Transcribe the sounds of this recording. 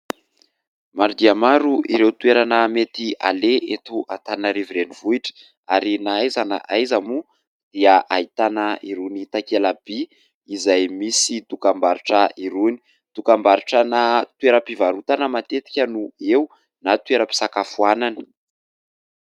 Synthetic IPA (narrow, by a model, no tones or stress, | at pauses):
maɾd̪iamaɾuʔiɾewt̪ueɾanəmet̪ia̰leʔet̪uʔat̪anəɾiviɾenivuiʈ͡ʂə̥ | aɾinaajzana̰ʔajzamu | d̪̥iaʔait̪anəʔiɾunit̪akelab̥i | izajmisid̪ukambaɾuʈ͡ʂəiɾuni̥ | d̪̥ukambaɾuʈ͡ʂənat̪ueɾəpivaɾut̪anəmat̪et̪i̥kʲənuew | nat̪weɾəpi̥sakafuananə̥